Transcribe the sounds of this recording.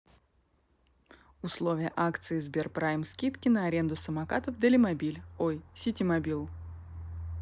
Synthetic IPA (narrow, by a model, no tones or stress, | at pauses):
ʊslˠovʲɪjəʔakt̪sɨɪzbʲerpɾajmskʲit̪kʲɪnəɐɾʲe̞nd̪ʊsəmɐkat̪əfd̪əlʲɪmɐbʲilʲojsʲɪtʲɪmɐbʲilˠ